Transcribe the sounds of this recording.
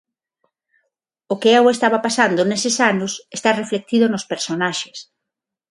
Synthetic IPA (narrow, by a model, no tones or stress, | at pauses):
ʊkeɛwest̪aβapasand̪ʊnesɪsanʊsest̪areflek̚t̪iðʊnospeɾsonaʃes